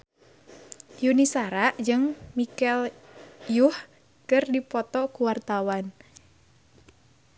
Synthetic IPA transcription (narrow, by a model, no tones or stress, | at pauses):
junisaɾaʔd͡ʒɨŋmikɛl | juh | kɨrdipɔt̪ɔkuwart̪awan